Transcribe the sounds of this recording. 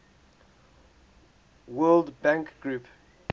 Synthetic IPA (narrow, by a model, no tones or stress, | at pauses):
wɜːldbãŋkɡɹup